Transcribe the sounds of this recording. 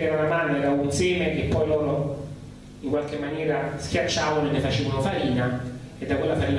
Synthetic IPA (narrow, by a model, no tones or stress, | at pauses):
ɛɾonamanːɛɾaunseːmek̟epːɔjlɔːɾo | iŋkwalkemːanjɛːɾask̟jat͡ʃːaːvanoelːefat͡ʃeːvonofaɾiːna | ed̪ːakwelːafaɾiːna